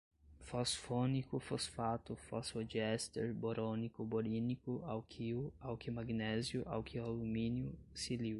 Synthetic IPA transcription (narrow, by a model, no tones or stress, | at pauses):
fɔsfonikʊfosfat̪ʊfɔsod͡ʒɛst̪eɾboɾõnikʊboɾinikʊawkʰiʊawkɪmaɡnɛzjʊʔa̰wkʰialumĩnjʊsiliw